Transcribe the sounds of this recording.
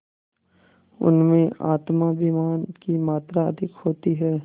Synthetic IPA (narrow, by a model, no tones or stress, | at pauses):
ʊ̰nmẽaːt̪mabimaːnkimaːt̪ɾaɐ̰d̪ʱɪkhoːt̪iɦɛː